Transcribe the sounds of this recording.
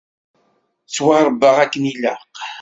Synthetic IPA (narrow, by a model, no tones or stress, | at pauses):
t͡sːwaɾˤəbːəʁækːənilaq